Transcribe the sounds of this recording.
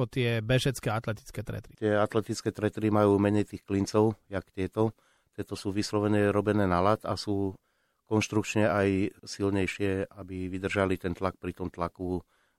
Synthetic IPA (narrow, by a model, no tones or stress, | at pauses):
ɔt̪ɪɛbɛʒɛt͡skɛat̪lɛt̪i̥t͡skɛt̪ɾɛ̰t̪ɾit̪ɪɛat̪lɛt̪it͡skɛːt̪ɾɛt̪ɾimajuːmɛɲɛjt̪iːxklint͡sɔʊjakt̪ɪɛt̪ɔ | t̪ɪɛt̪ɔsuːʋislɔʋɛɲɛɾɔbɛnɛːnalat̪asuː | kɔnʃt̪ɾukt͡ʃɲɛajsilɲɛjʃɪɛabiʋid̪r̩ʒalit̪ɛnt̪lak̚pɾit̪ɔmt̪laku